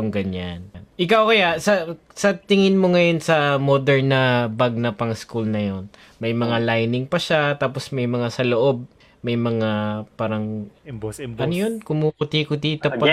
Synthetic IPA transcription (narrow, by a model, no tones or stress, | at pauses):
ŋɡɐɲannʔɪkawkɐjaʔsɐ | sɐt̪ɪŋɪnmoŋɐjo̞nsɐmod̪ɛɹnɐbɐɡ̚nɐpɐŋskulnɐjo̞n | mɐjmɐŋalajnɪŋpɐʃat̪aːpo̞smɐjmɐŋasɐloʔo̞b̚ | mɐjmɐŋapaːɾɐŋ | ɐnojonkʊmukʊt̪ikʊt̪it̪ɐp